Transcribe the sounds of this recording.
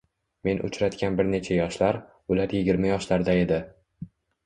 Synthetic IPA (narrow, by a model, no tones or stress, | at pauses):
me̞nʔʊ̰t͡ʃɾat̪kʲanbɪɾne̞t͡ʃʰajɒʃlaɾ | ʊlaɾjɪɡʲɪɾmajɒʃlaɾd̪ae̞d̪ɪ